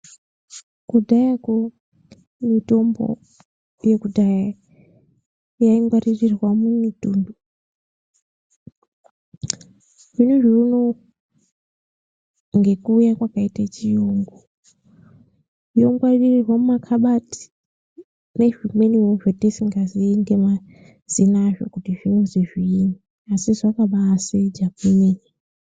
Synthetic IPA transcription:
kudʱajako | mito̞mbo̰ | je̞kudʱaja | jaiŋɡwaririrwamumitundu | ʐinuʐiuno | ŋɡe̞kuːjakwakaitat͡ʃijoŋɡo | joŋɡwaririrwamumakʰaɓatʰi̥ | ne̞ʐimweniunuʐetesiŋɡaziiŋɡema | z̥inaːʐo̰kutiʐinuziʐiːni | asizakaɓaːsed͡ʒakumeni

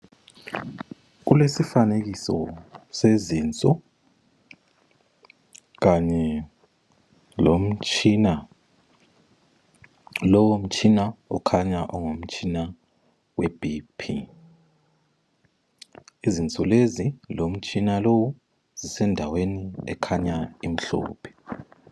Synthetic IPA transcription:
k̬ulesifanek̬isɔ̰seziːnt͡sʼɔ | k̬aɲɛ | lom̩t͡ʃʰʼina | lɔwom̩t͡ʃʰʼinaɔkʰaɲaʔɔŋom̩t͡ʃʰina | wɛb̥ʱipʰḭ | izint͡sʼɔlezilom̩t͡ʃʰʼinalowu | z̥isɛndʱaweniɛ̰kʰaɲaim̩ɬɔ̰ːpʰɛ̥

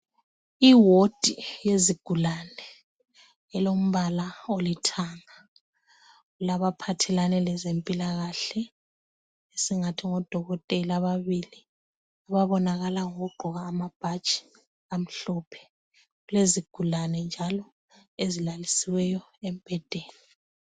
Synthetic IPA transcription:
iwod̥ʱijeziɡ̥ʱulanɛ | ɛlom̩βalaolitʰaːŋa | ɣulaβapʰatʰɛlanɛlɛzempʼilaɣaɬɛ | esiŋatʰiŋɔd̥ʱɔɣɔtʼɛlaβaβili | aβaβɔnaɣalaŋoɣuɡ͡ǃʱɔɣaːmab̥ʱḁt͡ʃʼi̥ | am̩ɬɔːpʰɛ̥ | ɣuleziɡ̥ʱulanɛnd͡ʒʱalɔ | ezilalisiwɛjɔem̩b̥ʱɛd̥ʱɛːni

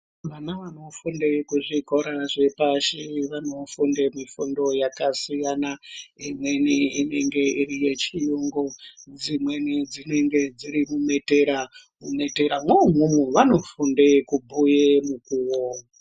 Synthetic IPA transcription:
ʋanaʋano̞fundekuʐiko̞ɾaʐe̞paʃiʋano̞fundemifundo̞jakasijanaimwe̞niine̞ŋɡe̞iɾije̞t͡ʃijuŋɡod͡zimwe̞nid͡zine̞ŋɡe̞d͡ziɾimume̞teɾamume̞teɾamwomumuʋano̞funde̞kubʱujemukuːwo

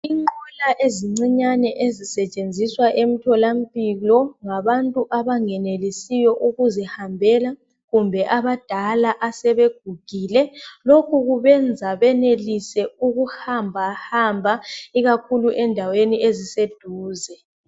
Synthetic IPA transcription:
iŋɔlaʔeziŋ͡ǀiɲanɛʔezisɛt͡ʃʼend͡zʱiswaʔem̩tʰɔlam̩pʼilɔŋaβantʼuʔaβaŋɛnelisijɔʔuɣuzɛhambʱɛla | ɣumbʱɛʔaβad̥ʱalaʔasɛβeɡ̥̚ʱuɡ̥ʱiːlɛlokʰuɣuβɛnd͡zʱaβɛnelisɛuɣuhambʱahambʱaiɣakʰuluʔɛndʱaweniezised̥ʱuːzɛ

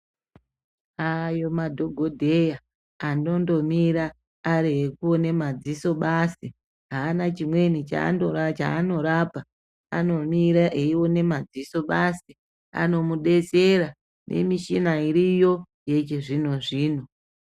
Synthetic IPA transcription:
ajo̞madʱo̞ɡʱo̞dʱe̞ja | ando̞ndo̞miɾaː | ɾeɦekuone̞mad͡ziso̞ɓasi | ɦaːnat͡ʃimwe̞nit͡ʃa̰ndoat͡ʃa̰ːno̞ɾapa | a̰no̞miɾaʔeiwo̞ne̞mad͡ziso̞ɓasi | a̰no̞muɗe̞t͡se̞ɾa | nʔe̞̰miʃinaiɾijo̞ | jet͡ʃeʐino̞ʐiːno̞

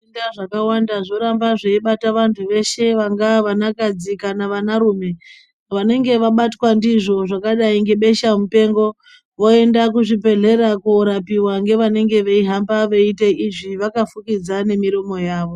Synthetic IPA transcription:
indaʐakawandaʐo̞ɾambaʐeiɓataʋantʰuʋe̞ʃe̞ʋaŋɡaʋanakad͡zikanaʋanaɾuːme̞ | ʋane̞ŋɡe̞ʋaɓatwandiʐo̞ʐakaɗaiŋɡe̞ɓe̞ʃamupe̞ːŋɡo̞ | ʋo̞e̞ndakuʐipe̞ɮe̞ɾakuɾapiwaŋɡe̞ʋane̞ŋɡe̞ʋeiɦambaʋeiteiʐiʋakafukid͡zane̞miɾo̞mo̞jaːʋo̞

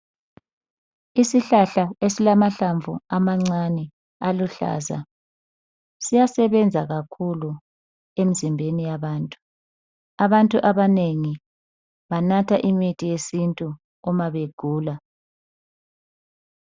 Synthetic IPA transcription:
isiɬaɬaesilamaɬaɱvʱṵamaŋ͡ǀanɛ | aluɬa̰ːza̰ | sijasɛβɛnd͡zʱaɣakʰulu | em̩zimbʱenijaβaːntʼu | aβantʼuʔaβaneŋi | βanatʰaʔimitʰʼijesintʼu | ɔmaβeɡ̥ʱuːla

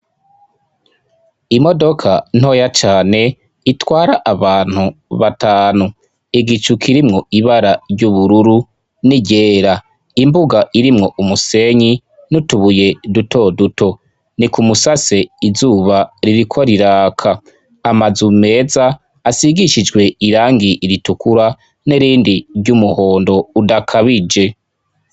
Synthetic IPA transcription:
imo̞do̞kʰan̥ho̞ːjat͡ʃaːne̞ | itwaːɾaʔaβaːn̥huβataːnu | iɡit͡ʃukʰiɾimŋo̞iβaɾaɾɟuβuɾuɾu | niɟeːɾa | imbuɡaiɾimŋo̞ʔumuse̞ɲi | nutuβuje̞dutʰo̞dutʰo̞ | nikumusase̞izuːβaɾiɾikʰoɾiɾaːkʰa | amazume̞ːzaː | siɡiʃid͡ʒɡwe̞iɾaːŋɡiʔːɾitukuɾa | neɾiːndiɾɟumuho̞ːndo̞udakʰaβid͡ʒe̞

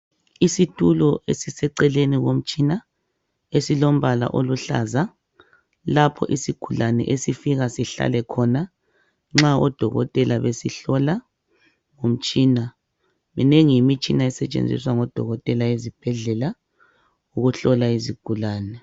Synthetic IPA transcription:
isitʰʼulɔesisɛǀɛleniɣom̩t͡ʃʼina | esilom̩βala̰ʔoluɬa̰za | lapʰɔ̰ʔisiɡ̥ʱulanɛ̰ʔesifiɣasiɬa̰lɛkʰɔna | ŋ͡ǁaɔd̥ʱɔɣɔ̰tʼɛlaβesiɬɔla | ŋom̩t͡ʃʼiːna | minɛŋimit͡ʃʼinaɛsɛt͡ʃʼḛnd͡zʱḭswaŋɔd̥ʱɔ̰ɣɔtʼɛlaezib̥ʱɛɮɛla | uɣuɬɔlaiziɡ̥ʱulaːnɛ

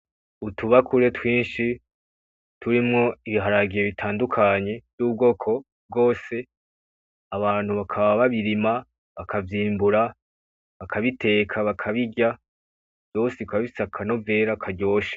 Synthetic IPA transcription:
utuβakʰuɾe̞twiːnʃi | tʰuɾimŋo̞iβiɦaɾaɡije̞βitʰaːndukʰaɲe̞v̥juːb̚ɡo̞ːkʰo̞ | b̚ɡo̞ːse̞ | aβaːn̥huβakʰaβaβaβiɾima | βakʰavjiːmbuɾa | βakʰaβite̞ːkʰaβakʰaβiɟa | v̥jo̞ːsekaββisakʰano̞ve̞ːɾakʰaɟo̞ːʃḁ

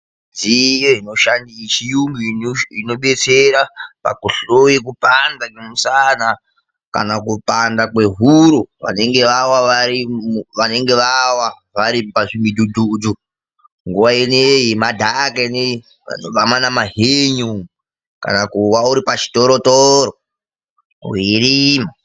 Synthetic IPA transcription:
d͡zijoino̞ʃandiʃijumbiino̞ɓe̞t͡seɾapa̰kuɬojikupandakemusana | ka̰nakupandakwe̞ɦuɾuʋa̰ne̞ŋɡe̞ʋawaʋaɾimuʋane̞ŋɡe̞ʋawa | ʋaɾipaʐimidʱudʱuːd͡zu | ŋɡuʋainejemadʱakaine | a̰noʋamanamaɦeɲum | ka̰nakuwauɾipat͡ʃi̥toɾotoɾo | iɾiːma

